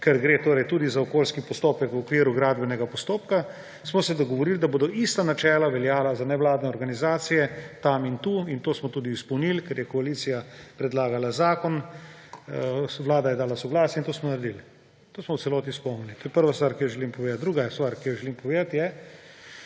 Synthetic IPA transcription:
kɛɾɡɾeːt̪oːɾɛjt̪uːd̪izaokoːlskipɔst̪oːpɛkwɔkʋiːɾuɡɾaːd̪bɛnɛɡapɔst̪oːpka | smɔsɛd̪ɔɡɔʋɔɾiːld̪aboːd̪ɔʔist̪anat͡ʃɛːlaʋɛljaːlazanɛʋlaːd̪nɛɔɾɡanizaːt̪sijɛt̪amint̪uːint̪oːsmɔt̪uːd̪iːspɐwniːlkɛɾjɛkɔaliːt̪sijapɾɛd̪laːɡalazaːkɔn | ʋlaːd̪ajɛd̪aːlasɔɡlaːsjɛint̪oːsmɔnaɾɛd̪il | t̪oːsmɔwtsɛlɔːt̪ispɔwnilit̪oːjɛpəɾʋast̪ʋaːɾkijɔʒɛlimpɔʋed̪at̪d̪ɾuːɡast̪ʋaɾkijɔʒɛliːmpɔʋeːd̪at̪jɛ

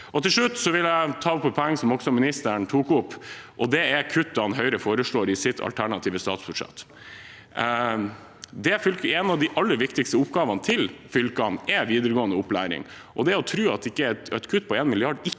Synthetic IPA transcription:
ʔɔt̪ɪlʂɭʉt̪ːsɔʋɪljæɪt̪ʰɑːʊpːɔɔɛŋːəsɔmɔksɔmɪnɪst̪əɳt̪ʰuːkʊpːʔɔd̪ɛækʰʉt̪̚ːd̪ɑɑnɦœʏɾəfoːɾəʂɭoːɾɪsɪt̪ʰɑ̰lt̪ʰæɳɑt̪ʰiːʋəst̪ɑːt̪sbʉʂɛ̰t̪ː | d̪ɛfʏlkɛnɑʋd̪ɪʔɑlːəɾʋɪkt̪ɪkst̪əʊpɡɑːʋɑnət̪ʰɪlfʏlkɑnɛʋiːd̪əɾəɡoːənəʊpːlæ̰ːɾɪ̰ŋ | ʔɔd̪ɛæɾɔt̪ʰɾʉːɑt̪ɪkːət̪ɛt̪kʰʉt̪ːpʰɔeːnmɪlɪɑɖɪkː

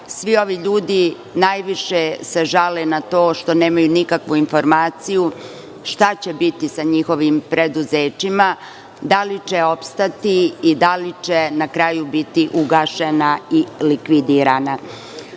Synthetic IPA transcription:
sʋio̞ʋiʎuːd̪i | najʋiʃese̞ʒalenat̪o̞ːʃt̪o̞neːmajunikakʋuinfo̞ɾmaːt̪siju | ʃt̪at͡ɕe̞bit̪isaɲixo̞ʋimpɾed̪uzeːt͡ɕima | d̪alit͡ɕeo̞pst̪at̪iːd̪alit͡ʃenakɾaːjubit̪iʔuɡaːʃenailikʋid̪iɾana

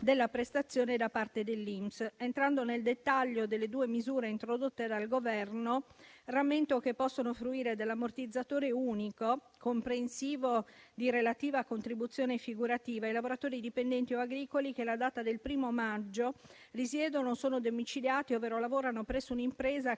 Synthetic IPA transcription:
d̪elːapɾest̪at̪sːjoːned̪apːart̪ed̪elːimsent̪ɾand̪oneld̪et̪ːaʎːod̪elːed̪uːemizuːɾeint̪ɾod̪ot̪ːed̪alɡovɛrnoramːent̪okepːɔsːonofɾuiːɾed̪elːamort̪id̪zːat̪oːɾeuːniko | kompɾensiːvod̪iɾelat̪iːvaːkont̪ɾibut̪sːjoːnefiɡuɾat̪iːvailavoɾat̪oːɾid̪ipend̪ɛnt̪ioaɡɾiːkolik̟elad̪aːt̪ad̪elpɾiːmomad͡ʒːo | risjɛːd̪onosoːnod̪omit͡ʃiljaːt̪iovːeːɾolavoːɾanopɾɛsːounimpɾeːza

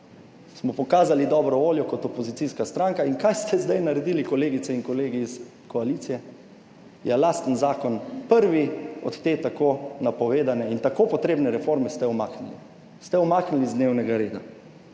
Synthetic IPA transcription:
smɔpɔkaːzalid̪ɔːbɾɔʋoːljɔkɔt̪ɔpɔzit̪siskast̪ɾaŋkainkajst̪ʰɛzd̪ajnaɾɛd̪iːlikɔleːɡit̪sɛiŋkɔleːɡiːs | kɔalit̪sijɛ | jɛlaːst̪ənzaːkɔnpəɾʋiɔt̪t̪eːt̪akoːnapɔʋeːd̪anɛint̪akopɔt̪ɾeːbnɛɾɛfoɾmɛst̪ɛɔmaːknilḭ | st̪ɛɔmaːknilizd̪newnɛɡaɾeːd̪a̰

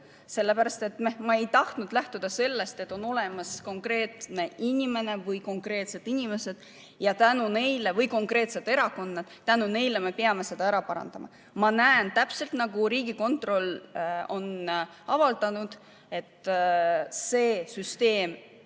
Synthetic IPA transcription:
se̞lːe̞pæɾɑst̪e̞t̪ːmemɑe̞jt̪ɑht̪nud̪̥læht̪ud̪̥ɑse̞lːe̞st̪e̞t̪ːˑo̞no̞le̞mɑsko̞ŋkre̞ːt̪ne̞inʲime̞ne̞vɤjko̞ŋkɾe̞ːt̪se̞d̪̥inʲime̞se̞d̪̥ | jɑt̪ænune̞jlevɤjko̞ŋkre̞ːt̪se̞d̪e̞ɾɑko̞nːɑd̪̥t̪ːænune̞jle̞me̞peɑme̞se̞d̪̥ɑæɾɑpɑɾɑ̰nd̪̥ɑmʔɑ̰ | mɑnæent̪æpse̞lt̪nɑɡuɾiːɡ̥iko̞nt̪ˑro̞lo̞n | ɑvɑld̪̥ɑnud̪̥ | e̞t̪ | se̞ːsyst̪e̞ːm

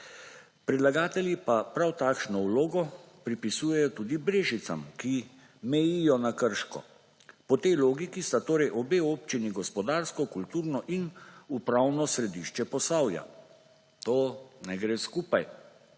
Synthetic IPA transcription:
pɾɛd̪laɡaːt̪ɛljipapɾawt̪aːkʃnɔwloːɡɔ | pɾipisuːjɛjɔt̪uːd̪ibɾeːʒit̪sa̰mki | mɛjijɔnakəɾʃkɔ̰ | pɔt̪ɛjloːɡikist̪at̪oːɾɛjʔɔbeːoːp̚t͡ʃiniɡɔspɔd̪aːɾskɔkult̪uːɾnɔʔinupɾawnɔsɾɛd̪iʃt͡ʃɛpɔsaːwja̰ | t̪oːnɛɡɾeːskuːpaj

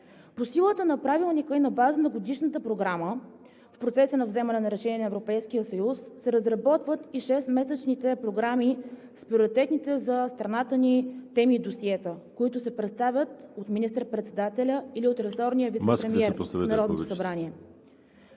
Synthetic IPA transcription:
posilˠət̪ənɐpɾavilˠnikəinɐbazənɐɡod̪iʃnət̪əpɾoɡɾamə | fpɾot̪sɛsənɐvzɛmɐnɛnɐɾɛʃɛnʲiɛnəɛvɾopɛjskijəsəjusːɛɾəzɾɐbɔt̪vət̪iʃɛst̪mɛsət͡ʃnit̪ɛpɾoɡɾami | spɾioɾit̪ɛt̪nit̪ɛzɐst̪ɾɐnat̪ənit̪ɛmid̪osiɛt̪əkoit̪ʊsɛpɾɛt̪st̪avʲət̪ot̪minist̪əɾpɾɛt̪sɛd̪at̪ɛlʲəiliot̪ɾɛsɔɾnijəvit̪spɾɛmiɛɾsɛnɐɾɔd̪t̪osɐbɾaniɛ

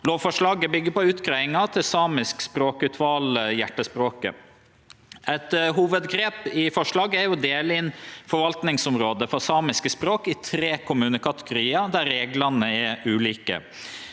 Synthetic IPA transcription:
loːʋfɔʂɭɑːɡəbʏɡːəpɔʉːt̪ɡɾœɪŋɑt̪ʰɪlsɑːmɪskspɾoːkʉt̪ʰʋɑːljæʈːəspɾoːkə̰ | ɛt̪ɦuːʋəd̪ɡɾeːpɪfɔʂɭɑːɡəæɾjʊd̪eːlɪnfɔɾʋɑlt̪nɪŋsʊmɾoːd̪əfɔsɑːmɪskəspɾoːkɪt̪ʰɾeːkʰʊmʉːnəkɑt̪əɡʊɾiːɑd̪æɾɾeːɡlɑnəɛʉːliːkə̰

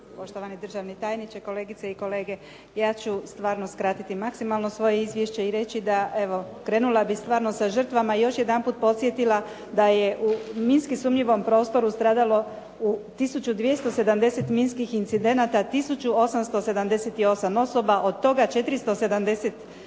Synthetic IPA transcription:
po̞ʃt̪oʋanid̪r̩ʒaʋnit̪ajnit͡ʃeko̞leːɡit̪seiko̞le̞ːɡe̞ | jaːt͡ɕust̪ʋaːɾno̞skɾaːt̪it̪imaksimalˠno̞sʋo̞je̞izʋjeʃt͡ɕeiɾe̞t͡ɕid̪ae̞ʋo̞kɾe̞ːnulˠabist̪ʋaːɾno̞saʒr̩t̪ʋamaijo̞ʃjed̪anpuːt̪̚po̞t̪sje̞t̪ila | d̪aje̞ʔuminskisuːmʎiʋo̞mpɾo̞ːst̪o̞ɾust̪ɾaːd̪alo̞ | ut̪isut͡ɕud̪ʋje̞st̪o̞se̞d̪amd̪e̞se̞t̪minskixint̪sid̪e̞nat̪at̪isut͡ɕuo̞samst̪o̞se̞d̪amd̪e̞set̪io̞samo̞so̞baʔo̞d̪̚t̪o̞ɡat͡ʃe̞t̪ɾist̪o̞se̞d̪amd̪e̞set̪

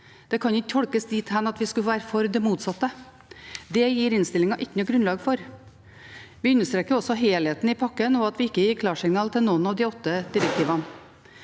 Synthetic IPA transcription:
d̪̥ɛkʰɑnɪkːt̪ʰɔlkəsd̪iːt̪hænɑt̪ʋɪskʉʋæːɾəfɔɾd̪ɛmuːt̪sɑt̪ːə | d̪ɛjiːɾɪnst̪ɪlɪŋɑʔɪkːənɔɡɾʉnlɑːɡfɔɾ | ʋɪʉnːəʂt̪ɾeːkəɾɔsɔɦeːlheːt̪nɪpʰɑkːənɔɑt̪ʋɪɪkːəjɪːɾkʰlɑːʂɪŋnɑːlt̪ʰɪlnɔnɑʋd̪ɪɔt̪ːəd̪̥ɪɾək̚t̪ʰiːʋɑn

